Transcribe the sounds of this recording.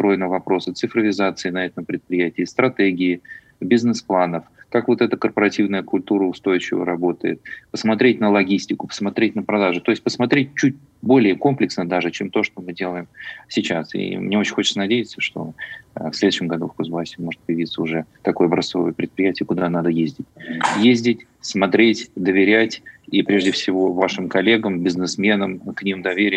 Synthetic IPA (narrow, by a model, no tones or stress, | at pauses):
st̪ɾo̞jɪnəvɐpɾo̞sɨt̪sɨfɾəvʲɪzat̪sɨɪnɐɛt̪əmpɾʲɪt̪̚pɾʲɪjætʲɪːst̪ɾɐt̪eɡʲɪɪ | bʲɪznɨsplˠanəfkakvo̞t̪ɛt̪əkərpəɾɐtʲivnəjəkʊlʲt̪uɾəʊst̪o̞jɪt͡ɕɪvə̰ɾɐbo̞t̪ə̰jɪ̰t̪̚pəsmɐt̪ɾʲet̚ʲnəlˠɐɡʲisʲtʲɪkʊ̥pə̥smɐt̪ɾʲet̚ʲnəpɾɐd̪aʐʊt̪o̞ɪsʲtʲpəsmɐt̪ɾʲet̚ʲt͡ɕːut̚ʲ | bo̞lʲɪjəko̞mplʲɪksnəd̪aʐɨt͡ɕemt̪o̞ʂt̪omɨdʲe̞lˠəjɪmsʲɪt͡ɕasḭmnʲeo̞t͡ɕɪnʲxot͡ɕɪ̥ənɐdʲejɪt̪səʂt̪o̞̰əfsʲlʲed̪ʊʉɕɪmɡɐd̪ufkozbˠasʲɪmo̞ʐɨt̪̚pəjɪvʲit̪səʊʐɛt̪ɐko̞jəbɾɐso̞və̰jəpɾʲɪt̪pɾʲɪjætʲɪjəkʊd̪anad̪əjezʲdʲɪtʲjezʲdʲɪtʲ | smɐt̪ɾʲetʲd̪əvʲɪɾʲætʲipɾʲe̞ʐdʲɪfsʲɪvo̞vaʂɨmkɐlʲe̞ɡəmbʲɪznɨsmʲe̞nəmknʲimd̪ɐvʲeɾʲɪj